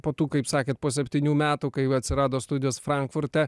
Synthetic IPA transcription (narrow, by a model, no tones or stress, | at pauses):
poːt̪uːkɐɪpsɑːkʲeːt̪poːsʲɛpʲt̪ʲiːnʲuːmʲæːt̪uːkɐɪɐt̪ʲsʲɪɾɑːd̪oːst̪ʊd̪ʲɪjoːsfɾɐŋkfʊɾʲt̪ʲɛ